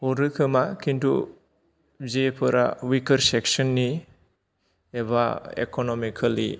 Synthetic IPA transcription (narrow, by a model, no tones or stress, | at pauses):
hɔɾɯkʰɯmakintṵ | zepʰɯɾa̰wikɐɾseksɔnːi | eβa̰ḛkonɔmikʰalḭ